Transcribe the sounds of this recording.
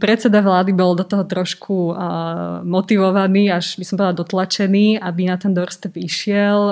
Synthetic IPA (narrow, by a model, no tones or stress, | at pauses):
pɾɛt͡sɛd̪aʋlaːd̪ibɔld̪ɔt̪ɔɦɔt̪ɾɔʃkʰu | mɔt̪iʋɔʋaniːaʒbisɔmbɔlad̪ɔt̪lat͡ʃɛniːabinat̪ɛnd̪ɔɾst̪ɛpiʃɪɛl